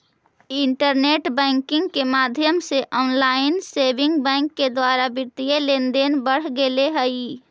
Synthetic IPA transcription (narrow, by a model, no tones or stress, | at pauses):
ɪ̃ɳʈəɾneːʈbɛ̃ːŋkɪ̃ŋɡkemaːd̪ʱjəmseʔɔːnlaːɪnseːbɪ̃ŋɡbɛ̃ːŋkːed̪waːɾabɪɾt̪ijeleːnd̪eːnbəɽ̤ɡeleɦəi